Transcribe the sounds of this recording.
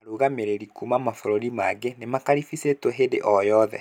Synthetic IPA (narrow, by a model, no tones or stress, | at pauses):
ɾuɣameɾeɾikumamafoɾoɾimaɡenemakaɾifisetwɛɦedḛʔɔjɔðɛ̰